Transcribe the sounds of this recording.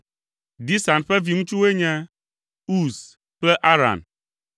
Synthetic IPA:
d̪i˦sa˨nɸɛ˦vi˨ŋũ˦t͡ʃu˦we˦ɲɛ̃˦ | u˦s | k͡plɛ˦ʔa˦ɾa̰˨n

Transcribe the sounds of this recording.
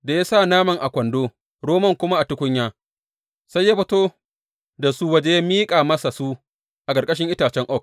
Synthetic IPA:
da˨jaː˦sa˦˨naː˦mɐ˨ŋʔa˨kʷɐ˨ndoː˦ | ɽoː˦mɐ˦˨ŋkʷʊ˦ma˦ʔa˨tʊ˦kʷʊ˦ɲjaː˦ | sa˦jːaː˦ɸɐ˦toː˦ | da˨su˦wɐ˦d͡ʒe˦ja˦miː˦kʼaː˨mɐ˦sa˨su˦ | ʔa˨kʼɐ˨ɾkʼɐ˦ʃ̬ɪ˦ŋʔɪ˦taː˨t͡ʃɛ˦ŋʔɔ˦˨k̚

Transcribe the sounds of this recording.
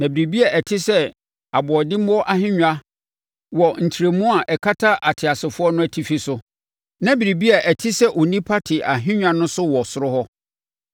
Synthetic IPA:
nã˨bi˨ɾi˨bi˦a˨ʔɛ˨tʰɪ˦sɛ˦ | a˨bɔ˨dɪ˦m˦ɔ˦ʔa˦ɦɪ̃˦ɲᶣa˦ | wɔ˨n̩˨tʰi˨ɾe˨mũ˦a˨ʔɛ˨kʰa˦tʰa˦ʔa˨tʰɪ˨a˨sɪ˨fʊ˦ɔ˦nʊ̃˦æ˨tʰi˦˨fi˦sʊ˦ | nã˦bi˨ɾi˨bi˦a˨ʔɛ˨tʰɪ˦sɛ˦ʔɔ˨nĩ˦pʰa˦tʰɪ˨ʔa˨ɦɪ̃˦ɲᶣa˦nʊ̃˦sʊ˦wɔ˨sʊ˨ɾʊ˦hɔ˦

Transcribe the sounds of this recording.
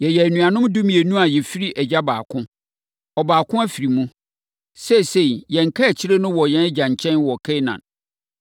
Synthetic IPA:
jɛ˨jɛ˨æ˨nũ˨a˨nʊ̃˦mdũ˦mĩ˨e˨nũ˦a˨jɛ˨fi˦ɾi˦ʔæ˨d͡ʑa˦ba̰ː˨kʰʊ̃˦ | ɔ˨baː˨kʰʊ̃˦æ˦fi˨ɾi˨mũ˦ | sɛ˦˨se˦˨i˨jɛ̃˨ŋ̩˨kʰa˦æ˨t͡ɕʰi˦ɾe˦nʊ̃˦wɔ˨jɛ̃˦n˦d͡ʑã˨ɲ˨t͡ɕʰɛ̃˦nwɔ˨kʰɛ˦nã̰˨n

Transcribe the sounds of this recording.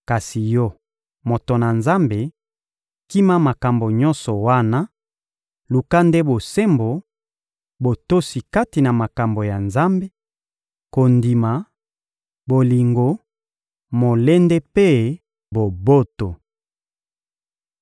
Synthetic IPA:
ka˨si˨jɔ˦ | mo˨to˨na˨nza˦mbe˨ | ki˦ma˦ma˨ka˨mbo˨ɲɔ̃˦nsɔ˨wa˦na˦ | lu˨ka˦nde˦bo˨se˦mbo˨ | bo˨to˦si˨ka˦ti˨na˨ma˨ka˨mbo˨ja˨nza˦mbe˦ | ko˨ndi˨ma˨ | bo˨li˨ŋɡo˨ | mo˨le˦nde˦pe˦ | bo˨bo˦to˨

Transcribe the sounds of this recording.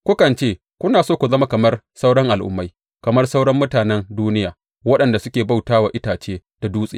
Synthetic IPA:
kʷʊ˦kɐ˨nt͡ʃeː˦˨ | kʷʊ˦naː˨soː˦˨kʷu˨zɐ˦ma˦kɐ˨mɐ˦rsa˦wɽɔ˦ŋʔa˨lʔʊ̰˨mːa˦j | kɐ˨mɐ˦rsa˦wɽɐ˦mːʊ˦taː˨nɛ˦nduː˦nɪ˦jaː˨ | wɐ˦ɗɐ˨nda˨sʊ˦kʲeː˨ba˦˨wtaː˦waː˨ʔɪ˦taː˨t͡ʃeː˦d̥a˨duː˦sʼḛ˨

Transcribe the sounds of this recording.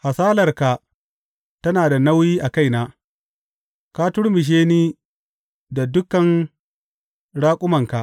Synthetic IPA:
ha˨saː˦lɐ˨rka˨ | tɐ˦naː˨da˨na˦wjiː˦ʔa˨ka˦jnaː˦ | ka˦tʊ˦ɽmɪ˨ʃ̬eː˦niː˦ | da˨dʊ˦kːɐ˨n | ɽaː˦kʷʼʊ˦mɐ˨ŋka˨ʔ

